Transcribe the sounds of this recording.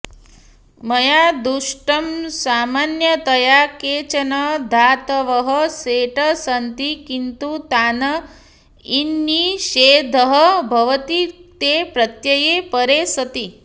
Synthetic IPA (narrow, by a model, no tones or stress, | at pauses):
mɐjad̪uʂʈɐmsaːmanjət̪ɐjakeːt͡ʃɐnɐd̪ʱaːt̪əʋəɦəseʈəsɐnt̪ikint̪ut̪aːnɐ | inːiʃeːd̪ʱəɦəbʱɐʋət̪it̪epɾɐt̪jɐjepəɾesɐt̪i